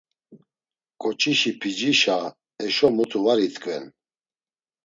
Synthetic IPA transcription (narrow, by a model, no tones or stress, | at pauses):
kʼɔt͡ʃʰʼiʃipʰid͡ʒiʃa | ɛʃɔmut̪ʰuvaɾit̪ʼkʼvɛn